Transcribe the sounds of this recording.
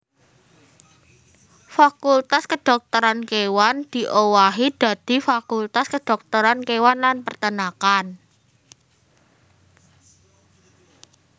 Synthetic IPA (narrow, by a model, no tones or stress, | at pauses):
fakult̪askəɖ̪̥ɔ̤k̚t̪ɔɾankewand̪̥i̤ʔowaɦid̪̥a̤d̪̥i̤fakult̪askəɖ̥ɔ̤k̚t̪ɔɾankewanlanpərt̪ənakan